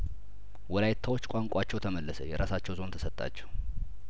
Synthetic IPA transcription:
wɔlajt̪ʰːawo̞t͡ʃːkʷʼaŋkʷʼat͡ʃːɛwt̪ʰəməlːəsə̰jɛɾasat͡ʃːɛwzo̞nt̪ʰə̥sət̪ʼːa̰t͡ʃːɛw

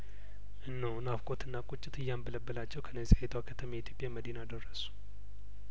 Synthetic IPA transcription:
ʔɨnːəwnafkʼot̪ʰɨnːakʼut͡ʃʼːɪt̪ɨjːambələbːəlat͡ʃːɛwkʰənːəzihet̪ʰakʰət̪ʰəmijit̪ʰjo̞pʼjaməd̪inad̪ərːəsu̥

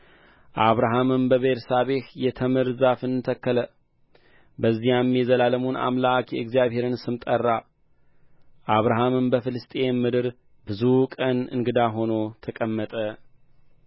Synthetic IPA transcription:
ʔaβɾaɦamɨmbəβeɾsaβehjɛt̪ʰəmɨɾzafɨnɨt̪ʰəkːələ | bəzːihamːjɛzəlaləmuna̰mlakjɛɨɡzijaβhe̞ɾɨnsɨmt̪ʼərːa | ʔaβɾaɦamɨmbəfɨlɨst̪ʼemːɨd̪ɨɾ | bɨzukʼənɨ̰ŋɡɨd̪aɦo̞no̞t̪ʰəkʼəmːət̪ʼə

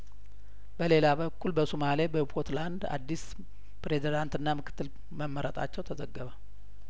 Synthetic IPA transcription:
bəle̞laβəkːulbəsomalebəpʰot̪land̪a̰d̪ːis | pɾe̞zid̪ant̪ɨnːamɨkʰɨ̥t̪ːɨl | məmːəɾət̪ʼa̰t͡ʃːɛwt̪ʰəzəɡːəβa

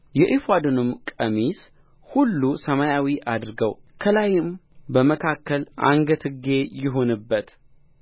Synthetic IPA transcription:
jɛʔifad̪ɨnɨmkʼəmis | hulːusəmajawiʔad̪ɨɾɡəwkʰəlajɪmbəməkʰakːəlʔa̰ŋɡət̪ʰɨɡe̞jɪɦo̞nɨbːət̪

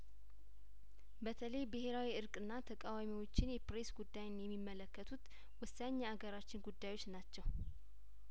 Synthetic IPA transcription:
bət̪ʰələjbɨhe̞ɾawiɨɾkʼɨnːat̪ʰəkʼawamiwo̞t͡ʃːɪnjɛpɾe̞sɡud̪ːajnjɛmːimːələkːət̪ʰut̪ | wʊsːaɲːaaɡəɾat͡ʃːɪnɡud̪ːajwo̞t͡ʃːnat͡ʃːɛw

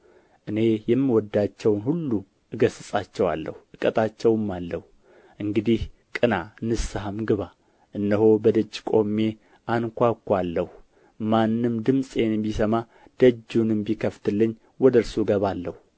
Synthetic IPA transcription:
ʔɨne̞jɛmːiwɔd̪ːat͡ʃːɛwnhulːu | ʔɨɡəsɨsʼat͡ʃːɛwa̰lːə̰huʔɨkʼət̪ʼat͡ʃːɛwɨmːalːəhu | ʔɨŋɡɨd̪ihkʼɨnanɨsɦamɡɨβa | ʔɨnːəho̞bəd̪əd͡ʒːkʼo̞mːe̞ | ʔankʷakːʷalːəhu | manːɨmd̪ɨmsʼenbisəma | d̪̥əd͡ʒːunɨmbikʰəft̪ʰɨlːɨɲː | wɔd̪əɾsuɨɡəβalːəhu

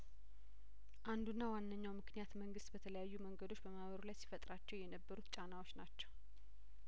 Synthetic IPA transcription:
ʔand̪unːawanːəɲːawmɨknijat̪məŋɡɨst̪bət̪ʰələjajːuməŋɡəd̪o̞t͡ʃːbəmaβəɾulajsi̥fət̪ʼɾat͡ʃːɛwjɛnəbːəɾut̪t͡ʃʼanawo̞t͡ʃːnat͡ʃːɛw

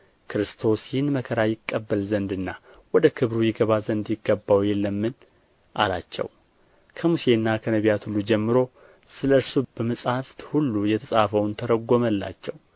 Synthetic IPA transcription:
kʰɾɨst̪ʰo̞sjɪhnməkʰəɾajɪkʼːəbːəlzənd̪ɨnːa | wɔd̪əkʰɨβɾujɪɡəβazənd̪jɪɡːəbːawjɛlːəmːɨn | ʔa̰lat͡ʃːɛ̰w | kʰəmuse̞nːakʰənəβjat̪hulːud͡ʒɛmːɨɾo̞ | sɨləɨɾsub̥əməsʼhaft̪hulːujɛt̪ʰəsʼafəwnt̪ʰəɾəɡːo̞məlːa̰t͡ʃːɛw

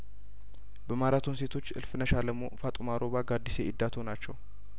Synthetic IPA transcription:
bəmaɾat̪ʰunse̞t̪ʰo̞t͡ʃːʔɨ̰lfɨnəʃaləmofat̪ʼumaɾo̞βaɡad̪ːise̞ʔɪd̪ːat̪ʰonat͡ʃːɛw

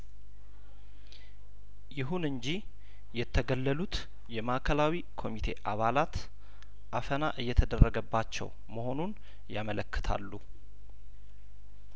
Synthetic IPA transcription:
jɪɦunɨɲd͡ʒi | jɛt̪ʰːəɡəlːəlut̪ | jɛmaʔkʰəlawikʰo̞mit̪ʰe̞ʔaβalat̪ | ʔafənaʔɨjːɛt̪ʰəd̪ərːəɡəbːat͡ʃːɛ̰w | məho̞nun | jamələkːɨ̥t̪ʰa̰lːu

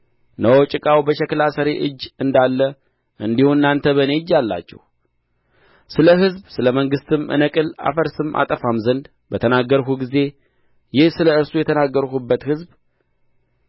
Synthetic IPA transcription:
nəwot͡ʃʼɪkʼawbəʃɛklasəɾe̞ʔɨd͡ʒːɨnd̪alːə | ʔɨnd̪ihunːant̪ʰəβəne̞ɨd͡ʒːalːa̰t͡ʃːɛ̰h | sɨləɦɨzbsɨləməŋɡɨst̪ɨmʔɨ̰nəkʼɨla̰fəɾsɨmʔa̰t̪ʼəfamzənd̪ | bət̪ʰənaɡːəɾkuɡize̞ | jɪhsɨləɨɾsujɛt̪ʰənaɡːəɾkubːət̪hɨzb

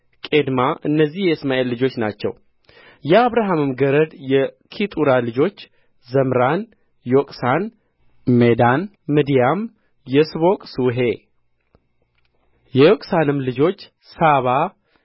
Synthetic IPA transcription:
kʼed̪maʔɨnːəzːihjɛɨsmaʔe̞lːɨd͡ʒo̞t͡ʃːnat͡ʃːɛ̰w | jɛaβɾaɦamɨmɡəɾəd̪jɛkʰit̪ʼuɾalɨd͡ʒo̞t͡ʃː | zəmɾan | jokʼsan | med̪anː | ɨd̪ijam | jɛsβo̞kʼsuɦe̞ | jɛjokʼsanɨmlɨd͡ʒo̞t͡ʃː | saβa

